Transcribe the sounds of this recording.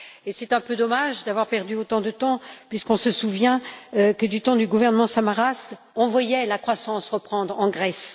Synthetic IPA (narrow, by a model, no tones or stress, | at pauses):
esɛt̪ɛ̃pød̪ɔmaʒd̪avwaʁpɛʁd̪yot̪ɑ̃d̪ət̪ɑ̃pɥiskɔ̃səsuvjɛ̃kəd̪yt̪ɑ̃d̪yɡuvɛʁnəmɑ̃samaʁas | ɔ̃vwajɛlakχwasɑ̃sʁəpχɑ̃d̪ʁɑ̃ɡʁɛs